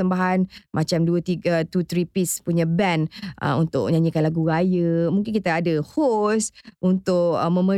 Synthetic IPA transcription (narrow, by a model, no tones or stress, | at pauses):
əmbaɦanmʔat͡ʃamduət̪iɡət̪ut̪ɾipispuɲãbɛnʔə̰unt̪ʊʔ̚ɲãɲĩkanlaɡuɾajəmũŋkɪnkit̪aːdəhosʔunt̪ʊʔə̰mə̃mə̃